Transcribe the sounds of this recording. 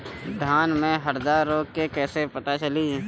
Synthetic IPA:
d̪ʱaːnmẽɦəɾd̪aːɾːoːkːkekɛːsepət̪at͡ʃəliː

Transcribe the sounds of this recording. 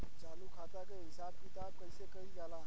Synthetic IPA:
t͡saluːkʰat̪akəɦisab̚kit̪ab̚kəjsekəid͡zala

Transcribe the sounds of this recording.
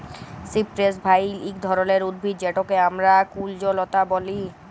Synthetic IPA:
sipɾesbʱajlikd̪ʱɔɾoleɾud̪̚bʱit̪̚d͡ʑeʈokeamɾakuld͡ʑolot̪aboli

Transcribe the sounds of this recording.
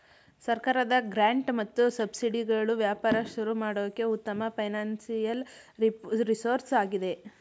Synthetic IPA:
sɐɾkaːɾɐd̪ɐɡɾaːɳʈmɐt̪ːusɐbsiɖiɡɐɭuʋjaːpaːɾɐʃuɾumaːɽoːd̪ɐkːeut̪ːɐmɐpʰɐjnaːnsijɐl | ɾisoːɾsaːɡid̪e̞

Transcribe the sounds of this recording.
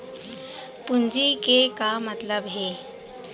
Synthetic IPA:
pʊnd͡ʒikekamət̪ləbɦeː

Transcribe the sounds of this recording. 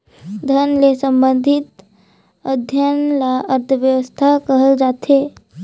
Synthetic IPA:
d̪ʱənlesə̃mbə̃nd̪ʱɪt̪ | əd̪ʱjənlaʔəɾt̪ʰəʋjəʋəst̪ʰakəɦəld͡ʒaːt̪e

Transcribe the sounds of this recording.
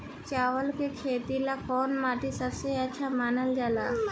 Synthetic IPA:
t͡ʃaːʋəlkekʰeːt̪ilapʰoːnmaːʈ̪isəbseətːʃʰamaːnəld͡ʒaːla̰ː

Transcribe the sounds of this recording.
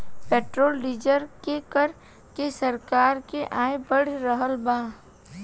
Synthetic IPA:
peːʈɾoːlːiːd͡ʒəɾkekəɾ | kesəɾkaːɾkeʔaːebəɽɾəɦəlbãː

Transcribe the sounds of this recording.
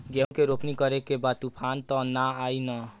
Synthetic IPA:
ɡeũkeɾopnikʌɾekebat̪upʰant̪ɔnaajnə

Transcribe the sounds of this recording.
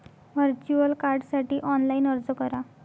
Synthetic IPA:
ʋəɾt͡ɕuəlkaɾɖsaʈiːʔɔnlainəɾd͡zəkəɾa

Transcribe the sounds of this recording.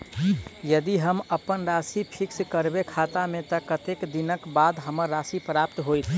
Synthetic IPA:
jəd̪iɦəməpənɾasipʰikskəɾbekʰat̪amẽt̪ɔkət̪ekd̪inəkbad̪ɦəməɾːasipɾap̚t̪ɦoit̪ʰ

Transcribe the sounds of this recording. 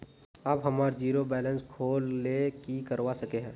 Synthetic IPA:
abɦɐmaːɾd͡ʒiːɾobɛːlə̃nskʰoːlːekikəɾʋasɐkeɦɛ̃ː

